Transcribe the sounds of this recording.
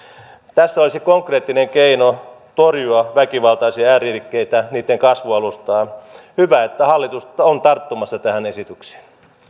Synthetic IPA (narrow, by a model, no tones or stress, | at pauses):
t̪æsːæolisikoŋkreːt̪ːineŋkeino | t̪orjuɑʋækiʋɑlt̪ɑisiɑæːrirkːeit̪æniːt̪ːeŋkɑsʋuɑlust̪ɑːhyʋæet̪ːæhɑlːit̪ust̪ɑont̪ɑrt̪ːomɑsːɑt̪æhænesit̪ykse̥ːn